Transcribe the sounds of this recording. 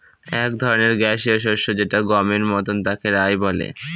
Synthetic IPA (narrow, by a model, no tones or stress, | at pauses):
ɛkd̪ʱɔɾoneɾɡɛʃioʃ̬oʃod͡ʑeʈaɡɔmeɾmɔt̪ont̪akeɾajbɔlḛ